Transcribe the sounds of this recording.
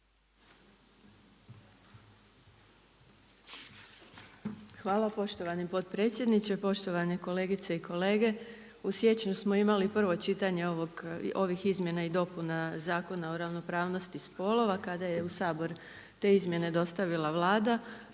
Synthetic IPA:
xʋaːlˠapo̞ʃt̪o̞ʋanipo̞t̪pɾet̪sʲje̞d̪nit͡ɕe̞po̞ʃt̪o̞ʋaneko̞le̞ːɡit̪se̞iko̞le̞ːɡe̞ | usje̞t͡ɕnusmo̞imalipr̩ʋo̞t͡ʃit̪aɲe̞oʋoɡo̞ʋixizmʲje̞naid̪o̞punazaːko̞nao̞ɾaʋno̞pɾaːʋno̞st̪ispo̞lˠo̞ʋakad̪ajeusaːbo̞ɾ | t̪e̞ːizmje̞ne̞d̪o̞st̪aʋilˠaʋlˠaːd̪a

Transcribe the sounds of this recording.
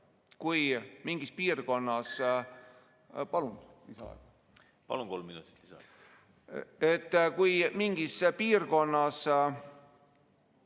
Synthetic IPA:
kujmiŋɡ̥ispiːrɡo̞nːɑs | pɑlunlisɑ̰ɑ̰ɡ̥ | pɑ̰lunko̞lmːinut̪ːˑi̥t̪ːlisɑ̰ | e̞t̪ːkujmiŋɡ̥ispiːrɡo̞nːɑs

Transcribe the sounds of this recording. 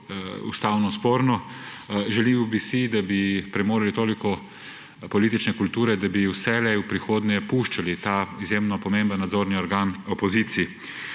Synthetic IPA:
ṵst̪aːwnɔspoːɾnɔ | ʒɛliːmɔbisid̪abipɾɛmoːɾalit̪oːlikɔ | pɔliːt̪it͡ʃnɛkult̪uːɾɛd̪abiwsɛlɛwpɾixoːd̪nɛpuʃt͡ʃalit̪aːizjemnɔpɔmẽmbənːad̪zoːɾniɔɾɡaːnɔpɔziːt̪sii

